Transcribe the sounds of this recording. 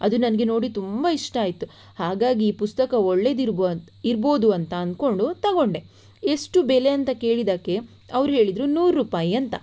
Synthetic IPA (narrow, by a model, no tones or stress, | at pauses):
ɐd̪unɐnɐɡe̞no̞ːɽit̪umbɐiʂʈɐaːjit̪ːu | haːɡaːɡiːpust̪ɐkɐoɭːe̞d̪iɾb | iɾbo̞ːd̪uɐnt̪ɐːnd̪ko̞ɳɖut̪ɐɡo̞ɳɖe̞ | eʂʈubele̞ɐnt̪ɐke̞ːɭid̪aːke̞ | ɐʋɾuɦe̞ːɭid̪ɾunuːɾːuːpaːjiɐnt̪ɐ